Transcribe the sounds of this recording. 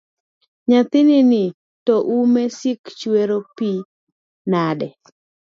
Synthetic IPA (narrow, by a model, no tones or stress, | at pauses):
ɲat̪ɪnɪnɪ | tɔʔumɛsɪkt͡ʃweɾopi | nadɛ